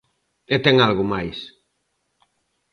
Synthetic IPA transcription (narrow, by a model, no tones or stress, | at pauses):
et̪ɛŋalɣʊmajs